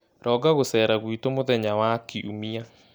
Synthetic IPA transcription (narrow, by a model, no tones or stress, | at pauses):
ɾʔɔɡaɣosɛːɾaɣwitomoðɛɲawakiʔumia